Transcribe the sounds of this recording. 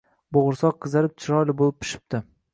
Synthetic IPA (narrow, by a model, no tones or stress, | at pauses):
boʁʊɾsɒq̚qʰːɨzaɾɪp̚t͡ʃʰɪɾɒjlɪbolˠɪp̚ʰːɪ̥ʃɪ̥p̚t̪ɪ